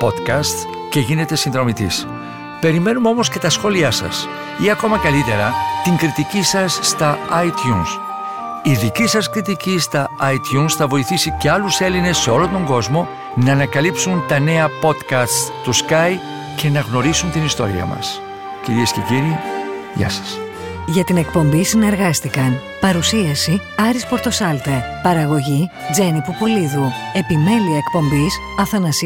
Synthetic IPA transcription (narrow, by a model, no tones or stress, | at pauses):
po̞t̪kɐst̪ | ce̞ʝine̞t̪e̞sinðɾo̞mit̪ḭs | pe̞ɾime̞numeo̞mo̞sce̞t̪ɐsxo̞liɐsɐ̰s | iɐko̞mɐkɐlit̪e̞ɾɐt̪iŋkɾit̪icisɐsːt̪ɐɐit̪çuns | iðicisɐskɾit̪̬icist̪ɐɐit̪çunsθɐvo̞iθisice̞ɐluse̞line̞sːe̞o̞lont̪o̞ŋɡo̞zmo̞ | nɐːnɐkɐlipsunt̪ɐne̞ɐpo̞t̪kɐst̪t̪uskɐj | ce̞nɐɣno̞ɾisunt̪inist̪o̞̰ɾḭɐ̰mɐ̰s | ciɾiesce̞̰ciɾi | ʝɐ̰sɐ̥s | ʝɐt̪ine̞kpo̞mbisine̞ɾɣɐst̪ikɐn | pɐɾusiɐsiɐɾispo̞ɾt̪o̞sɐlt̪epɐɾɐɣo̞ʝid͡ze̞nipupoliðue̞pime̞liɐekpo̞mbis | ɐθɐnɐsi